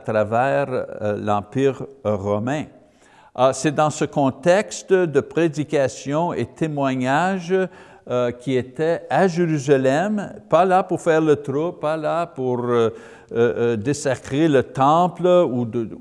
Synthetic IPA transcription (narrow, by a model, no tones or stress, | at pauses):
at̪ʁavɛːʁlɑ̃piːʁʁɔmɛ̃ | sɛd̪ɑ̃səkɔ̃t̪ɛkst̪d̪əpʁed̪ikasjɔ̃ḛt̪ʰemwaɲaʒ | kʲiet̪ɛaʒeʁyzalɛmpalapuʁfɛːʁlət̪ɾopalapuʁ | d̪esakʁelət̪ɑ̃pluə